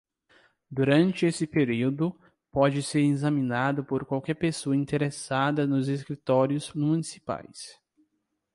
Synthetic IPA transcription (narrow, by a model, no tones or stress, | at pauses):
d̪uɾɐ̃nt͡ʃɪesɪpeɾiwd̪ʊ | pɔd͡ʒɪseɾizɐmĩnad̪ʊpoɾkwawkɛɾpesoɐĩnt̪eɾesad̪ɐnʊzeskɾit̪ɔɾjʊzmunisi̥pa̰js